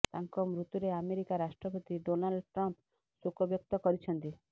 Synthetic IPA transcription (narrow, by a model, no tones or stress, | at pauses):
t̪aŋkɔmɾut̪uɾeameɾikaɾaʃʈɾɔpɔt̪iɖonalɖʈɾɔmp | sukʰɔbjɔk̚t̪ɔkɔɾit͡ʃʰɔnt̪i